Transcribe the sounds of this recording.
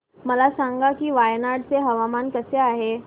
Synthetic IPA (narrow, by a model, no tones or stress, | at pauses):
məlasaŋɡakiːʋajnaɽt͡seɦəʋamankəseaɦe